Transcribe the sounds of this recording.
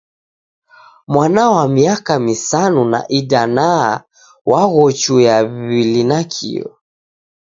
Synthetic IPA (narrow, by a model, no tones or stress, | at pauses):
mwanawamiakamisanuna̰ʔidana | wʔaɣɔt͡ʃujaβilinakʰḭɔ̰